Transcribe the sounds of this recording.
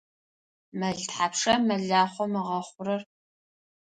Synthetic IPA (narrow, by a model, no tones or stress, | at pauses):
mɐɮtħapʂɐmɐɮaːχʷɔmɨʁɐχʷʊrɐr